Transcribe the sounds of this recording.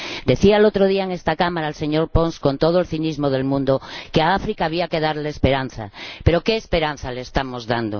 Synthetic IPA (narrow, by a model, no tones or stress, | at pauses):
d̪e̞θialot̪ɾoð̞iaeŋest̪akamaɾaelse̞ɲo̞ɾponskõ̞nt̪oð̞oelθinizmoð̞e̞lmũnd̪okeaafɾikaːβ̞iake̞ð̞aɾleːspe̞ɾanθa̰pe̞ɾo̞keːspe̞ɾan̟θaleːst̪amo̞zðand̪o